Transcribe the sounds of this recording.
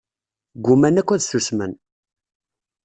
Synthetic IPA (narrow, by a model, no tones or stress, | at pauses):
ɡʷʊmænækʷːæðsəsmən